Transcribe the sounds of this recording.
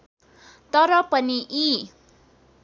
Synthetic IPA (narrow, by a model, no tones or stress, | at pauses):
t̪ʌɾʌpʌniʔi